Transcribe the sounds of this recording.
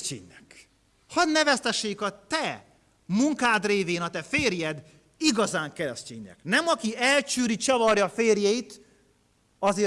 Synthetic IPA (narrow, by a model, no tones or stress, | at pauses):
ḛːɲːɛk | hɒd̪nɛvɛst̪ɛʃːeːkɒt̪ɛ | muŋkaːd̪reːveːnɒt̪ɛfeːrjɛd̪ | iɡɒzaːŋkɛɾɛscḛːɲːɛ̰knɛmɒkiɛlt͡ʃyːɾit͡ʃɒvɒrjɒfeːrjɛit̪ | ɒzeː